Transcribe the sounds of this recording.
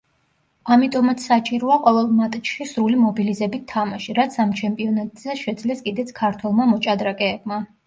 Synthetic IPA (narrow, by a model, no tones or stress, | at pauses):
amit̪ʼɔmat̪sʰsat͡ʃʼiɾɔaqʼɔvɛlˠmat̪ʼt͡ʃʃisɾulimɔbilizɛbit̪ʰːamaʃiɾat̪sʰamt͡ʃʰɛmpʼiɔnat̪ʼz̥ɛʃɛd̪zlɛskʼid̪ɛt̪sʰkʰaɾt̪ʰwɛlˠmamɔt͡ʃʼad̪ɾakʼɛːbma